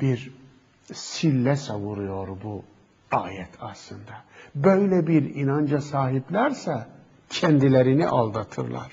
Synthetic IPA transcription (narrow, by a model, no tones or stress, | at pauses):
b̥iɾ | silːæsɑvuɾujo̞ɾbu | ɑːjɛt̪ʰɑslˠɯnd̪ɑbøjlæbiɾinɑnd͡ʒɑsɑːɦiblæɾsæ | cʰænd̪ilæɾinḭʔɑlˠd̪ɑt̪ʰɯɾlˠɑ̰ɾ̥